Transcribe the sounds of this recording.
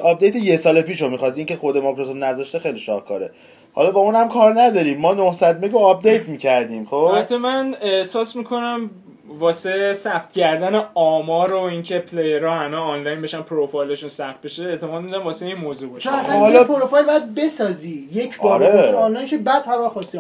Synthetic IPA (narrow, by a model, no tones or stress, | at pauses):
ɒp̚d̪ejt̪ʰejesɒːlepiːʃomiχɒsiiːŋce̞xo̞d̪emɒkɾosob̪næzɒʃt̪exejliʃɒ̰hkʰɒ̰ːɾe̞ | hɒ̰lɒbɒuːnhæmkʰɒːɾnæd̪ɒɾiːmːɒːnohsæd̪meɡoɒp̚ʰd̪ejt̪miːcʰæɾd̪iːmxomætt̪ʰːemæneehsɒːsmikʰo̞næm | vɒːsesæb̥t̪̚cæɾd̪æneɒːmɒːɾoiːŋcʰepʰlejeɾɒhæmeːnlɒjnbeʃænpʰɾofojlɔʃunsæxt̪̚beʃeːt̪ʰemɒːd̪mid̪æmvɒːseinmoːzubɒʃt͡ʃʰonæsæhɒlɒpʰoɾofɑjlbɒjæd̪̚be̞sɒːziːjecʰbɒːɾeːnlɒjnʃobæd̪hæɾæχɒst̪i